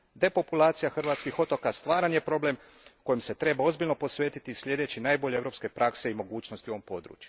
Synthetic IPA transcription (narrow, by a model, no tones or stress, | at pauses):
d̪e̞po̞pulaːt̪sijaxr̩ʋat̪skixo̞t̪o̞kast̪ʋaːɾanje̞pɾo̞ble̞m | ko̞jimse̞t̪ɾe̞bao̞zbilʎno̞po̞sʋe̞ːt̪it̪isʎʲe̞d̪e̞t͡ɕinaːjboʎe̞evɾo̞pske̞pɾʔakse̞imo̞ɡuːt͡ʃnost̪ioʋo̞mpo̞d̪ɾṵːt͡ʃju̥